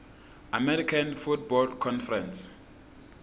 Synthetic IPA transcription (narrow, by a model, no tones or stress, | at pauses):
amɛɾikʰãnfutbɔlkʰɔ̃nfɛrɛ̃ns